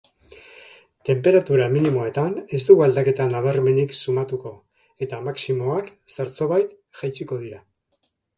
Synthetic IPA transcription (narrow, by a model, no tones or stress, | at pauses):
t̪e̞mpe̞ɾat̪uɾaminimo̞e̞t̪ane̞zt̪uɣuald̪ake̞t̪anaβ̞aɾme̞niksumat̪uko̞ | e̞t̪amaksimo̞aksaɾt͡so̞βajt̪ | ʝajt͡siko̞ð̞iɾa